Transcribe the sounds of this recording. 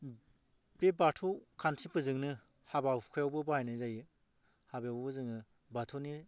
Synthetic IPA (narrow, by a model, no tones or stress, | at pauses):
bebatʰukʰantʰipɯzɯŋnɯ | habawkʰajawbɯbahajnɯjzajɯ | habejawbbɯzɯŋnɯ | batʰuni